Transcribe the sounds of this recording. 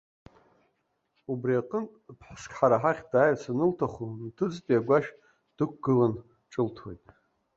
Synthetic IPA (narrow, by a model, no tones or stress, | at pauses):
ubriaqʼəntʼpʰħskʲʰʼħaɾaħaχʲdaːjt͡sʰanɨltʰaχuntʰɨd͡zpʼiaɡʷaʃ | d̥ɨkʷʰɡ̥ɨlan | ʈ͡ʂʼɨltʰwe̞̰jtʼ